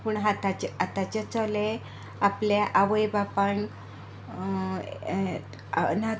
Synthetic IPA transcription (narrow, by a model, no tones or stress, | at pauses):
puɳɦat̪at͡ɕat̪at͡ɕat͡sɔle | aplaʔaʋəjbapan | na